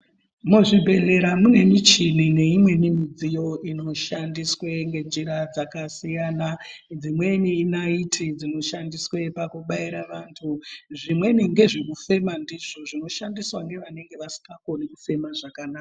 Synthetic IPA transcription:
muʐibʱe̞ɮe̞ɾamune̞mit͡ʃinine̞imwe̞nimid͡zijo̞ʔino̞ʃandisweŋɡe̞d͡ziɾad͡zakasijaːnand͡zimwe̞niːnaitʰid͡zino̞ʃandiswe̞pakuɓaiɾaʋantʰuʐimwe̞niŋɡe̞ʐekufe̞mandiʐo̞ʐino̞ʃandiswaŋɡe̞ʋane̞ŋɡe̞ʋasi̥kako̞nekufe̞maʐakanaːka

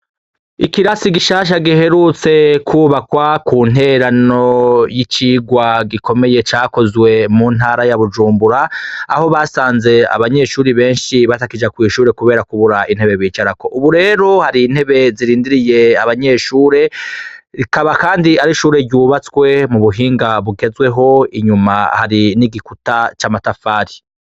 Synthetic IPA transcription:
ikiɾasiɡiʃaːʃ̬aɡihe̞ɾut͡se̞kʰuβakwakuːn̥ɦe̞ɾano̞jit͡ʃiːɡwaɡiko̞me̞je̞t͡ʃaːko̞zwe̞mun̥aːɾajaβud͡ʒuːmbuɾaaho̞βaːsaːnze̞a̰βaɲe̞ʃuːɾiβe̞ːnʃiβatakid͡ʒakwiːʃuːɾe̞kuβe̞ːɾakuβuɾain̥e̞βeβiːt͡ʃaɾako̞ʔuβuɾe̞ːɾo̞haɾiːn̥he̞βe̞ziɾiːndiɾije̞aβaɲe̞ːʃuːɾe̞ɾikaβakaːndiaɾiʃuːɾe̞ɟuːβat͡swe̞muβuɦiːŋɡaβuɡe̞zwe̞ɦo̞iɲumahaɾiniɡikutat͡ʃaːmatafaːɾi

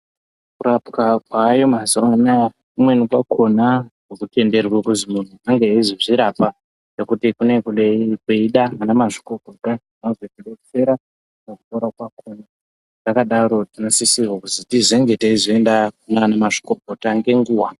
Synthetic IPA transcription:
kuɾapkakwaːjo̞mazoana | kumwenikwakʰo̞nakokute̞nde̞rwekuzimun̤uaŋɡeeziʐiɾapa | nekutikune̞kuɗeikeiɗaanamaʐi̥kokoka | nozwekuɗot͡se̞ɾa | noku̥taɾakwakona | nakaɗaɾo̞tinosisirwakuzitizeŋɡetaizoendaunanamaʐi̥kopotaŋɡe̞ŋɡuːwa

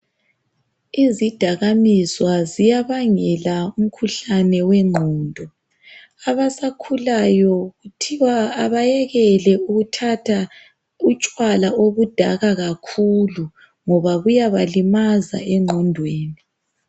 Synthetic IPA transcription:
izid̥ʱaɣamiswazijaβaŋɛlaum̩kʰuɬanɛwɛŋ͡ǃʱɔːndʱɔ | aβasakʰulajɔɣutʰiwaːβajɛɣɛlɛuɣutʰatʰa | ut͡ʃʼwalaʔoβud̥ʱaɣaɣakʰulu | ŋɔβaβujaβalimaza̰ɛŋ͡ǃʱɔndʱweːni

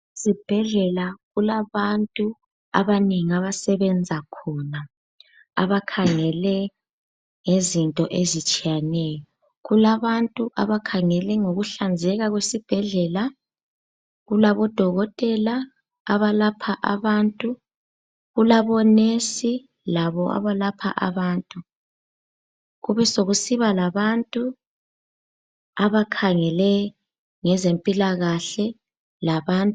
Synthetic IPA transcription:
sib̥ʱɛɮɛlaɣulaβantʼu | a̰βaniŋiaβasɛβɛnd͡zʱakʰɔna | a̰βakʰaŋɛlɛ | ŋezintʼɔʔezit͡ʃʼijanɛjɔ | ɣulaβantʼuʔa̰βakʰaŋɛlɛŋoɣuɬand͡zʱɛɣaɣwesib̥ʱɛɮɛla | ɣulaβɔd̥ʱɔɣɔtʼɛlaː | βalapʰaʔaβantʼu | ɣulaβɔnesi | laβɔa̰βalapʰa̰ʔa̰βaːntʼu | ɣuβɛsoɣusiβalaβantʼu | aβakʰaŋɛlɛ | ŋɛzempʼilaɣaɬɛ | laβaːntʼ

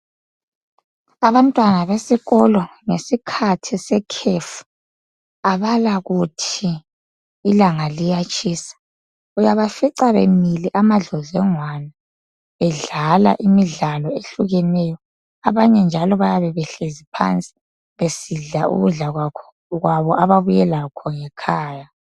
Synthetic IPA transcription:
aβantʼwanaβesiɣɔlɔŋesikʰatʰisɛkʰefu̥ | aβalaɣutʰiː | laŋalijat͡ʃʼiːsḁ | ujaβafiǀaβḛmiliʔamaɮɔzɛŋwana | ɛɮala̰ʔimiɮalɔeɬuɣɛnɛjɔ | aβaɲɛnd͡ʒʱalɔβajaβɛβɛɬezipʰa̰nt͡sʼi̥ | βesiɮaṵɣuɮaɣwakʰɔ̥ | ɣwaβɔʔaβaβujɛlakʰɔŋɛkʰaːja

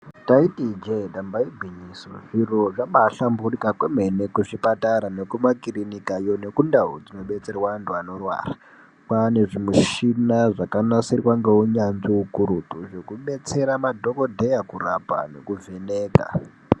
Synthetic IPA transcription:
taitid͡ʒeɗambaibʱiɲiso̰ʐiroʐaɓaɬamburikakweme̞ne̞kuʐipataɾane̞kumakirinikajo̞ne̞kundaud͡zino̞ɓe̞t͡se̞rwanduano̞rwa̰ːra | kwane̞ʐimuʃinaʐakanasirwaŋɡeuɲanʐiukuɾutuʐe̞kuɓe̞t͡se̞ɾamadʱo̞ko̞dʱejakura̰pa̰ne̞̰kuve̞neːka̰

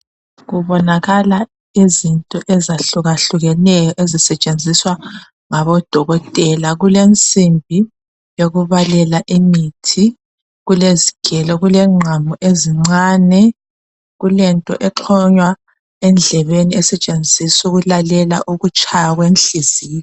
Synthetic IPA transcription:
ɣuβɔnaɣala | izintʼɔʔɛzaɬuɣaɬuɣɛnɛjɔʔezisɛt͡ʃʼend͡zʱiswa | ŋaβɔd̥ʱɔɣɔtʼɛlaɣulent͡sʼimbʱi | joɣuβalɛlaʔimitʰi | ɣuleziɡ̥ʱɛlɔɣulɛŋ͡ǀʱamuʔeziŋ͡ǀaːnɛ | ɣulɛntʼɔ̰ʔɛǁʰɔɲwa | ɛnd͡ɮʱɛβeniɛsɛt͡ʃʼend͡zʱisuɣulalɛla̰ʔuɣut͡ʃʼajaɣwenɬiziːɔ

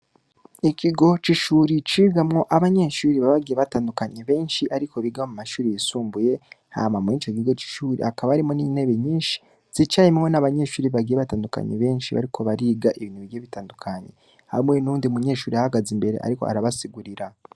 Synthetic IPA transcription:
ikʰiɡo̞t͡ʃiʃuːɾit͡ʃiːɡamŋo̞ʔaβaɲeʃuːɾiβaβaɡijeβataːndukaɲeβe̞ːnʃiʔaɾikʰo̞βiɡaomumaʃuːɾijisuːmbuje̞ha̰mamŋit͡ʃokiɡo̞t͡ʃi̥ʃuːɾḭakaβaaɾimonine̞βeɲiːnʃi̥ | z̥it͡ʃajemŋo̞naβaɲe̞ːʃuːɾiβaɡijeβataːnduka̰ɲḛβe̞ːnʃiβa̰ɾikʰo̞βaɾiːɡaʔiβiniβiɡjeβitaːndukʰaɲḛ | ha̰mŋe̞nuːndiumuɲe̞ːʃuːɾiahaɡazimbe̞ɾe̞̰ʔa̰ɾiko̞̰a̰ɾaβasiɡuɾiɾa

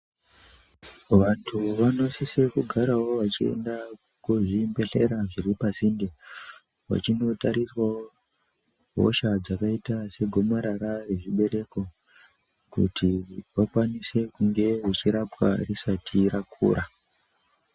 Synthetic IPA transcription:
ʋantʰuʋano̞sise̞kuɡʱaɾawo̞ʋat͡ʃie̞̰nda | kwoʐimbe̞ɬeɾaʐiɾipasinde | ʋa̰t͡ʃino̞taɾiswawo | ɦo̰ʃad͡zakaitase̞ɡʱo̞maɾaɾare̞ʐiɓe̞ɾe̞ko̞ | kṵtʰiʋakwanise̞kuŋɡe̞ʋet͡ʃiɾapwa̰risatʰiɾakʰṵːɾa

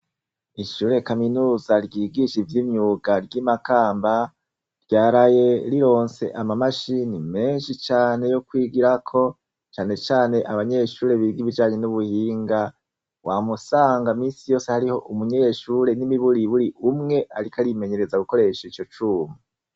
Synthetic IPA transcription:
iʃuːɾe̞kaminuːzaɾɟiːɡiʃivjimɲuːɡaɾɟimakaːmba | ɾɟaːɾaje̞ɾiɾo̞ːnse̞̰ʔamamaʃinime̞ːnʃit͡ʃaːne̞jo̞kwiːɡiɾakʰo̞ | t͡ʃaːne̞t͡ʃaːne̞ʔaβaɲe̞ʃuːɾe̞βiɡiβid͡ʒaːɲe̞nuβuhiːŋɡa | wamusaːŋɡamiːnsijo̞ːse̞haɾiho̞ʔumuɲeʃuɾe̞nimiβuɾiβuɾiʔumŋe̞ʔaɾikaɾime̞ɲe̞ɾe̞zaɡuko̞ɾe̞ʃait͡ʃo̞t͡ʃuːmu

